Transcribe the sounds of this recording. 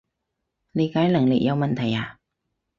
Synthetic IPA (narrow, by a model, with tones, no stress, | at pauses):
le˨˧jkaː˨˥jlɐ˨˩ŋlɪ̰˨k̚jɐ˨˧wmɐ˨nt̪ʰɐ˨˩jaː˨˧